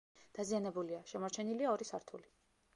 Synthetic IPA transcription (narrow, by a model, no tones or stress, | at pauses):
d̪̥azianɛbuliaʃɛmɔɾt͡ʃʰɛniliaɔɾisaɾt̪ʰuli